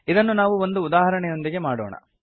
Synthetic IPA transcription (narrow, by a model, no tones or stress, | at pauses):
id̪ɐnːunaːʋuo̞nd̪uːd̪aːɦɐɾɐɳɛjo̞nd̪iɡe̞maːɽo̰ːɳɐ̰